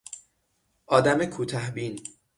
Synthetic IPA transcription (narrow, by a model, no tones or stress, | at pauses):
ʔɒːd̪æmekʰuːt̪ʰɒhbiːn